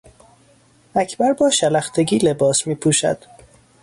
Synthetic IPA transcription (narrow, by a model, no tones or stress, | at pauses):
æcʰbæɾbɒːʃælæxt̪ʰeɟiːle̞bɒːsmiːpʰuːʃæ̰d̪̥